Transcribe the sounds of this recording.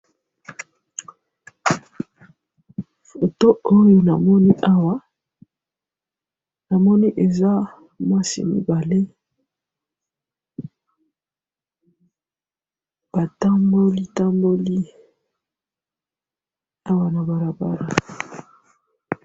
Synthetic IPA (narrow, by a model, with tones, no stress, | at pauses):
fo˨to˦o˦jo˨na˨mɔ˦ni˦ʔa˦wa˦ | na˨mɔ˦ni˦ʔe˨za˦ | mwa˦sḭ˨mḭ˨ba˨le˦ | b̥a˨ta˦mbo˦li˦ta˦mbo˦li˦ | a˦wa˨na˨ba˨ɾa˨ba̰˦ʁa˨